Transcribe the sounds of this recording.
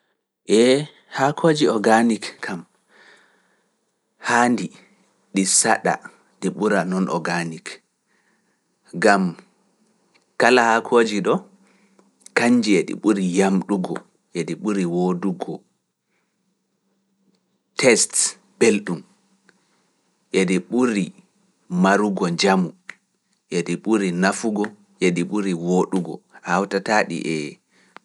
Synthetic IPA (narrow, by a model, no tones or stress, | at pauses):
ʔɛ | hakʰoːd͡ʒiɔɡanikkʰam | haːndi | ɗisaɗa̰ | ɗiɓuɾanɔnʔɔ̰ɡanik | ɡam | kalahakʰoːd͡ʒiɗɔ | kaɲd͡ʒiɛɗḭɓuɾijamɗuɡɔ̰ | ʔeɗiɓuɾiwoduɡɔ | tʰɛst | b̥elɗum | ʔediɓuɾi | maɾuɡɔɲd͡ʒamu | ʔediɓuɾinafuɡɔ | ʔeɗiɓuɾiwoɗuɡɔ̰hawtataɗḭʔɛ